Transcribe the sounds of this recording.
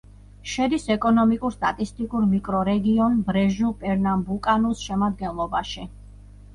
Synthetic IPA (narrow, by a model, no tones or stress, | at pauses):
ʃɛd̪isɛkʼɔnɔmikʼuɾst̪ʼat̪ʼist̪ʼikʼuɾmikʼɾɔɾɛɡiɔnbɾɛʒupʼɛɾnambukʼanusʃɛmad̪̚ɡɛnlˠɔbaʃi